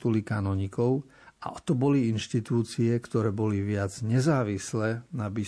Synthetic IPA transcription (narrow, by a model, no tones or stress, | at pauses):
t̪ulikaːnɔɲikɔʊ | ʔa̰ʔɔt̪ɔbɔliinʃt̪it̪uːt͡siɛkt̪ɔɾɛːbɔliʋɪad͡zɲɛzaːʋislɛnabi